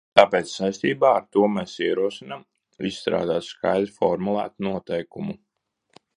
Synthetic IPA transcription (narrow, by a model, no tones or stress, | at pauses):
t̪aːpeːt̪ssːajst̪iːbaːaɾt̪uɔmeːsiɛɾuɔsinam | isːt̪ɾa̰ːd̪aːt̪ska̰jd̪ɾfɔɾmulˠæ̰ːt̪nuɔt̪ɛjkumu